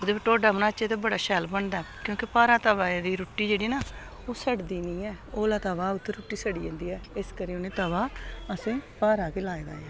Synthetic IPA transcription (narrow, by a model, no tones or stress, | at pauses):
ʊd̪eːpəʈːoːɖaːmnaːət͡ʃeːt̪eːbəɽaːʃɛːlbəɳd̪aːkjõːkɪpaːɾaːt̪əʋaːed̪iːɾʊʈːiːd͡ʒeːɽiːnaː | oːsəɽd̪iːnĩːɛːoːlaːt̪aːʋaːʊt̪ʰːəɾʊʈːiːsəɽiːḛ̃ːnd̪iːɛːɪskəɾiːonẽːt̪əʋaːəsẽːpaːɾaːkelaːed̪a̰ːeː